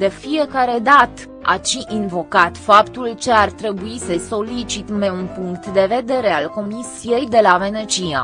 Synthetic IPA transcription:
d̪e̞fie̞kaɾe̞d̪at̪ | a̰t͡ʃiʔinvo̞kat̪fapt̪ult͡ʃe̞art̪ɾe̞buisəso̞lit͡ʃit̪meunpuŋkt̪d̪e̞ve̞d̪e̞ɾe̞alko̞misije̞jd̪e̞lave̞nət͡ʃija̰

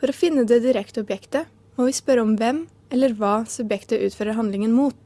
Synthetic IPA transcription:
fɔɾɔːfɪnːəd̪ɛːd̪ɪɾɛkt̪əɔbjɛkt̪ə | moːʋɪspœɾəɔmʋɛmː | ɛlːəɾʋɑːsʉbjɛkt̪əʔʉːt̪føːɾəɾɦɑnlɪŋənmuːt̪

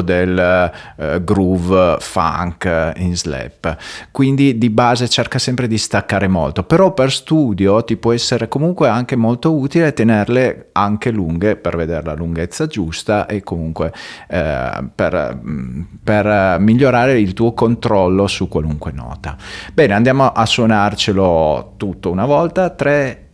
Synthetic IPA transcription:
d̪el | ɡɾuvfa̰ŋkinzlɛ̰pːkwind̪id̪ibaːzet͡ʃerkasɛmpɾed̪ist̪akːaːɾemo̰lt̪opeɾɔperst̪uːd̪jot̪ipwɔɛsːeɾekomuŋkweaŋkemolt̪ouːt̪ilet̪enerleaŋkeluŋɡeperved̪eɾela̰luŋɡet̪sːad͡ʒust̪aʔekːomuŋkwe | pḛr | permiʎːoɾaːɾeilt̪uːokont̪ɾɔlːosukːwaluŋkwenɔ̰ːt̪abɛːneand̪jaːmoʔasːwonart͡ʃelot̪ut̪ːounavɔlt̪at̪ɾɛ

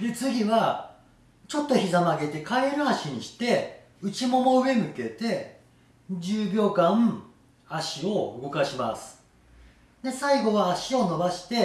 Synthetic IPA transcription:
d̪e̞t͡sɨɡʲiβa | t͡ɕo̞t̪ːo̞çizamaɡe̞t̪e̞kaɾenoaɕiɲ̟iɕi̥t̪e̞ | ɯ̟t͡ɕimo̞mo̞ɯ̟e̞mɯ̟ke̞t̪e̞ | d͡ʑɨːbʲjo̞ːkã | aɕio̞ɯɡo̞kaɕimasɨ̥ | d̪e̞saiɡo̞βaːɕio̞no̞baɕi̥t̪e̞

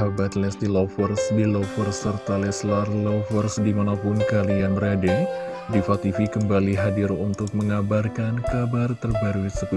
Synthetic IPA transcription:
abat̪lɛsdilɔfərsdilɔfərsərt̪alɛslarlɔfərsdimanapʊnkalianradɛ | difat̪ifikəmbaliɦadɪɾunt̪ʊk̚məŋabarkankabart̪ərbaɾuisəku

